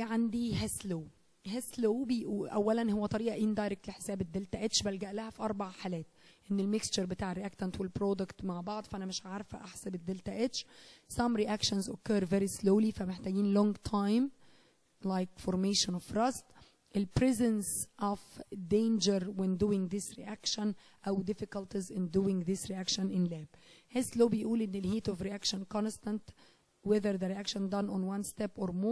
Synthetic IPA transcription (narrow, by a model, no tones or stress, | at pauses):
ʕand̪iɦæsloː | ɦæsloːbejʔuʔæ̰wːælænhowːæt̪ˤɑɾiːʔɑʔɪnd̪ɑjɾek̚t̪leħe̥sæːbed̪ːelt̪æʔæt͡ʃbælɡæʔlæhæfiʔɑɾˤbaʕħaːlæːt̪ʔenːelmɪkst͡ʃoɾbet̪aːʕɾiʔækt̪ænt̪ʰoelpɾod̪okt̪maʕbɑʕd̪ˤfæʔænæmɪʃʕaɾˤfæ̰ʔaħsæbed̪ːelt̪æʔæʃsɑmɾiʔækʃonzʔo̰kːøɾveɾisloːlifæmeħt̪æːɡiːnlɔŋɡt̪ʰajm | lajkfoɾmeːʃɔ̃nɔfɾɑst̪ | ʔɪlpɾɛzɛ̃nsʔɔvd̪ẽːnd͡ʒəɾwɪ̃nd̪uːɪ̃ŋɡðɪsɾḭʔækʃə̃n | ʔawd̪ɪfɪkɑlt̪izɪ̃nd̪uːɪ̃ŋɡðɪsɾiʔækʃənʔɪnlæːb̚hesloːbɪjʔuːlʔɪnːɪlhiːt̪ɔvɾiʔækʃɔ̃nkɑnst̪ãnt̪ | wɛðəɾðəɾiʔækʃənd̪ɑnʔɔnwãnst̪ɛpʔoɾmo